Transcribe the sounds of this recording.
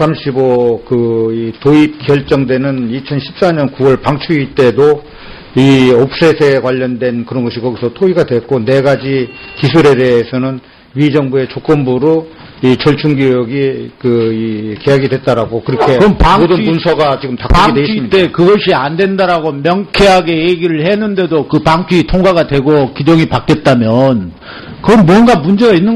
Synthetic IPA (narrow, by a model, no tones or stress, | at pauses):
sʰamɕʰibokɯitoip̚kjʌɭt͡ɕ͈ʌŋdwe̞nɯnit͡ɕʰʌnɕʰi̥p̚s͈aɲʌnkuwʌɭpaŋt͡ɕʰuit͈e̞do | iop̚s͈esʰekwaʎːʌndwe̞nkɯɾʌnɡʌɕʰikʌɡisʰʌtʰoiɡadwe̞k̚k͈one̞ɡad͡ʑikisʰuɾe̞de̞ːsʰʌnɯn | mid͡ʑʌŋbue̞t͡ɕok͈ʌmbuɾo | it͡ɕʌɭt͡ɕʰuŋɡjojoɡikɯikejaɡidwe̞t̚t͈aɾaɡokɯɾʌkʰekʌmpaŋodɯpunsʰʌɡat͡ɕiɡɯmtakpaiŋdeissmit͈e̞kɯɡʌɕʰiandwe̞ndaɾaɡomjʌŋkʰeɦaɡe̞jeɡiɾɯɭhe̞nːɯnde̞dokɯpaŋt͡ɕʰiːtʰoŋɡaɣadwe̞ɡokid͡ʑʌŋipak͈et̚t͈amjʌn | kɯʌmmwʌnɡamund͡ʑe̞ɡainːɯn